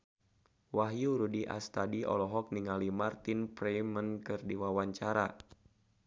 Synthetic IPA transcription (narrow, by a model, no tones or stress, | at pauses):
waɦjuɾudiʔa̰st̪adiʔɔ̰lɔɦɔk̚niŋalimart̪inpɾɛmənkɨrdiwawaɲt͡ʃaɾa̰